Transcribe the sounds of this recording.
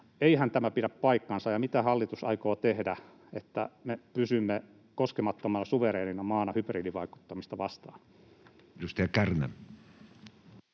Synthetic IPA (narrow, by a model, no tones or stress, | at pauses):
eihænt̪æmæpidæppɑikːɑnsɑjɑmit̪æhɑlːit̪usɑikoːt̪ehdæ | et̪ːæ̰mepysymːe | koskemɑt̪ːomɑlɑsuʋereːninɑmɑːnɑhypriːdiʋɑiku̥t̪ːɑmist̪ɑʋɑst̪ɑ̰ːn | dust̪ɑjɑkærnæ̰m